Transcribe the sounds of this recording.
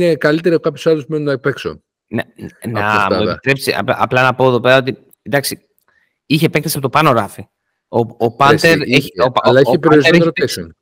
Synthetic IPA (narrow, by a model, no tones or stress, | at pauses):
nekɐlit̪e̞ɾiokɐpçosɐlusumenunɐpekso̰ | nenɐueit̪ɾe̞psiɐ̰ɐplɐnɐpo̞eðo̞pe̞ɾɐot̪i | d̪ɐksi | içepekt̪ɐsi̥ɐ̥pot̪opɐno̞ɾɐfi | oopɐnt̪eɾeoɐlɐeepeɾoɾizeeeɐɾt̪ekson